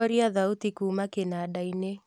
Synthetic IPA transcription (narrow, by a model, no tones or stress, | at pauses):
ɔɾiaðaut̪ikuːmakenaɗaine